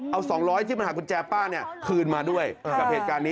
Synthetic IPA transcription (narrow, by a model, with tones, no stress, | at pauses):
ʔa˧wsɔː˩˦ŋɾɔː˦˥jt̪ʰiː˥˩ma˧nhaː˩kʰu˧nt͡ɕɛː˧paː˥˩ni˥˩ɐkʰɯː˧nmaː˧du˥˩əjka˨˩p̚heː˨˩t̪̚kaː˧nːiː˦